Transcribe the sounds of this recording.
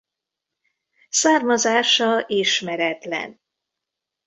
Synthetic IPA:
saːrmɒzaːʃɒʔiːʃmɛɾɛt̪lɛ̰n

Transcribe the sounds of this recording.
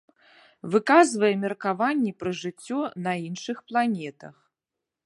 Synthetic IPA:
vɨkazvɐjɛmʲɛrkavanʲːipɾɐʐɨt͡sʲːɔnɐinʂɨxplˠanʲɛt̪ɐ̰x

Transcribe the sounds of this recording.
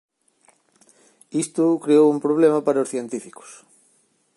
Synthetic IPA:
ist̪ʊkɾeowumpɾoβ̞lemapaɾaosθjent̪ifi̥ko̥s

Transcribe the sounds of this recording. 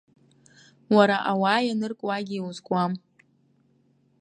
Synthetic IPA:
waɾaʔawaːjanɨrkʷʼwaɡʲiwuzɡʷʼam

